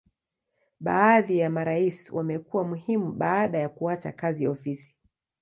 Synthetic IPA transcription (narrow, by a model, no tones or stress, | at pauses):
ɓaːðijamaɾaiswamɛkuwamuhimuɓaːɗajakuat͡ʃa̰kazijaɔfisi̥